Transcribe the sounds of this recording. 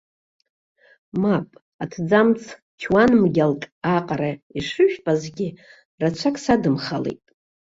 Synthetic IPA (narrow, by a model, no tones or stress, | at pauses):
mapʼ | atʰd͡zamt͡sʰ | t͡ʃʰwanmɡʲalkʼaqʼaɾaiʂɨʃᶣpʼazɡʲi | rat͡ʃʷʰakʼsadɨmχalḛjtʼ